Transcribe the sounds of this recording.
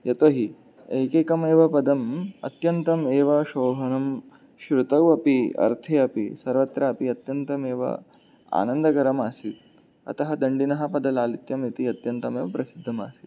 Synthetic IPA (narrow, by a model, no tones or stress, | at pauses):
jɐt̪oɦi | eːkeːkɐmeːʋɐpɐd̪ɐmɐt̪jɐnt̪ɐmeːʋɐʃoːɦɐnɐm | ʃɾut̪ɐʋɐpiɐ̰ɾt̪ʰeːɐpḭsɐɾʋɐt̪ɾɐɐpiɐt̪jɐnt̪ɐmeːʋɐ̰ | a̰ːnɐnd̪ɐkɐɾɐmaːsit̪̚ | ɐ̰t̪ɐɦɐd̪ɐɳɖinɐɦɐ̆pɐd̪ɐlaːlit̪jɐmit̪iɐt̪jɐnt̪ɐmeːʋɐpɾɐsid̪ʱːɐma̰ːsi̥t̪